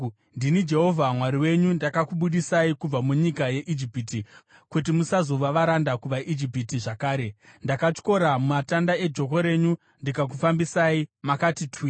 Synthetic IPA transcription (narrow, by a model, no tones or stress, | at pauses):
ndinid͡ʒe̞ɦo̞vʱamwaɾiwe̞ɲundakakuɓuɗisaikub͡vamuɲikaje̞ʔid͡ʒipiːti | kutimusazo̞ʋaʋaɾandakuʋaʔid͡ʒip̬itiʐakaːɾe̞ndakat͡ʃko̞ɾamumatandae̞d͡ʒo̞k̬o̞ɾe̞ɲu | ndikak̬ufambisaimakatitʰwi